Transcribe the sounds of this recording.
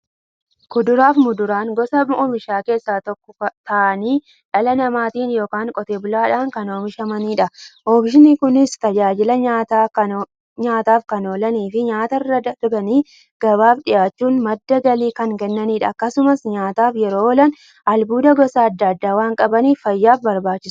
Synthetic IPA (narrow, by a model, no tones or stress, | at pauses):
kʊd̪ʊɾaːfmʊd̪ʊɾaːŋɡɔsɐoːmɪʃaːke̞ːsːaːt̪ɔkːɔt̪ɐʔɐniː | ᶑɐlɐnɐmaːt̪iːnjoːkaːŋkʼɔt̪eːbʊlaːᶑaːŋkɐno̞ːmɪʃɐmɐniːᶑɐʔoːfɪʃɪnɪkʊnɪst̪ɐd͡ʒaːd͡ʒɪlɐɲat̪ː | ɲaːt̪aːfkɐnoːlɐniːfɪɲaːt̪ɐɪrːɐɐɾbɐniː | ɡ̥ɐβaːbᶑɪjaːt͡ʃːuːnmɐd̪ːɐɡɐliːkɐŋkɛnːɐniːᶑɐːkːɐsʊmɐsɲaːt̪aːfjɛɾoːɔlɐn | ʔɐlbuːd̪ɐɡɔsɐɐd̪ːɐɐd̪ːaːwaːŋkʼɐbɐniːffɐjːaːfbɐɾbaːt͡ʃːɪs